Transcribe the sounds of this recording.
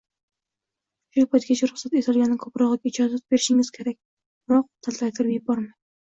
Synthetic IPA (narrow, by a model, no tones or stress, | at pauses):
ʃupʰɑjt̪kʲat͡ʃʰaɾʊχsat̪et̪ʰɑlˠɡʲanːɪkʰopɾɑʁlˠɨkʲɪd͡ʒɑzat̪̚beɾɪʃɪŋɪz̥kʲʰeɾak̚ʲ | b̥ɪɾɒq̚t̪ʰælt̪ʰæjt̪ʰɪɾbɪjɪb̚bɒɾmaj